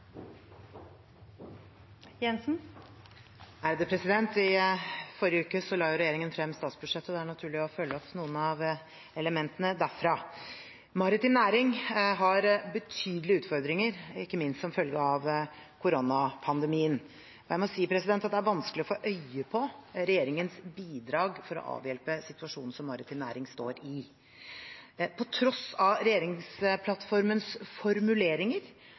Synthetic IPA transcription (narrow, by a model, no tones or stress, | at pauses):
jɛnsn | æɾd̪ɛpʰɾɛsɪd̪ɛnt̪ɪfɔɾjəʉːkəsɔlɑːjʊɾɛjeːɾɪŋənfɾɛmːst̪ɑːt̪sbʉd̪ʂɛt̪ːəd̪ɛæɳɑt̪ʰʉːɭɪɔfœlːəɔpnuːənɑʋ | ɛləmɛnt̪ənəd̪æɾfɾɑ | mɑɾɪt̪ɪːmnæːɾɪŋɦɑɾbət̪ʰyːd̪əlɪʉːt̪fɔɾd̪ɾɪŋəɾɪkːəmɪnst̪sɔmfœlɡəɑʋkʰʊɾonɑpʰɑnd̪ɛmiːən | ɔjæɪmɔsiːəpʰɾɛsɪd̪ɛnt̪ɑt̪̚d̪ɛæɾʋɑnskəlɪɔfoːʔœʏəpʰɔɾɛjeːɾɪŋənsbiːd̪ɾɑːɡfɔɾɔ̰ʔɑ̰ːʋjɛlpəsɪt̪ʉɑʂuːnn̩sɔmːɑɾɪt̪ʰɪːnæːɾɪŋst̪o̰ːɾɪ | pʰɔt̪ʰɾɔsɑɾɛjeːɾɪŋspʰlɑt̪ːfɔɾmənsfɔɾmʉleːɾɪŋəɾ